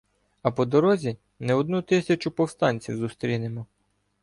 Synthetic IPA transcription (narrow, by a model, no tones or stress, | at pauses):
ɐpɔd̪ɔɾɔzʲi | nɛɔd̪nut̪ɪsʲɐt͡ʃʊpɔwst̪ɑnʲt͡sʲiwzʊst̪ɾʲinemɔ